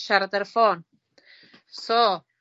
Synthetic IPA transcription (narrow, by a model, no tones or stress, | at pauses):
ʃaɾt̪əɾfon | so